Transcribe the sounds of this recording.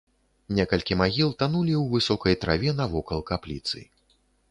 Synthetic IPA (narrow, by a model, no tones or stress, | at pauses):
nʲɛkɐlʲkʲimaɣʲilˠt̪anulʲiwvɨsɔkɐjt̪ɾa̰vʲɛnɐvɔkɐlˠkaplʲḭt̪sɨ̰